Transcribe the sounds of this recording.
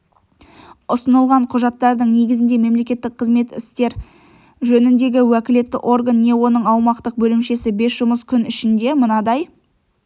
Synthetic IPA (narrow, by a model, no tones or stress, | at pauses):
ʊsənəlˠʁɑɴqʰʊʒɑt̪ːɑɾd̪əɴne̞ɡʲɪzɪnd̪eme̞mle̞kʲe̞t̪ːɪk̚qʰəzme̞t̪ɪ̰st̪e̞ɾ | ʒɵnɪnd̪e̞ɡʲɪwækʲɪle̞t̪ːɪ̰ʔo̞rɡanːe̞wo̞nəɴɑwmɑqt̪əq̚bɵlɪmʃe̞sɪbe̞sʒʊməskʲʰʏnɪʃɪnd̪e̞mənɑd̪ɑj